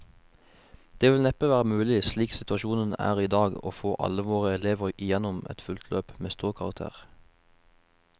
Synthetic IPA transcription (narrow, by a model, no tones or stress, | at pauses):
d̪̥eːʋɪlnɛp̪əʋæːʁəmʉːlɪsliːksɪt̪ʉɑʃuːnənæ̰ːʁiːd̪ɑːɡo̰ːfoːʔɑ̰ləʋoːʁəɛleːʋəʁɪjɛnʊmɛ̰t̪fʉlt̪ʰløːpmeːst̪uːʁkʰɑʁɑk̚t̪ʰḛːʁ